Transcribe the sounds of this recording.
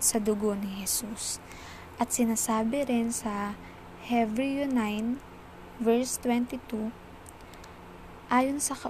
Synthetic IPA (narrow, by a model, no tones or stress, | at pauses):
sɐd̪ʊɡo̞nɪhɛsus | ʔɐt̪̚sɪnaːsaːbɪɾɪnsɐ | hɛvɹijʊnajn | vɛɹst̪wɛnt̪ɪt̪u | ʔaːjonsɐkɐ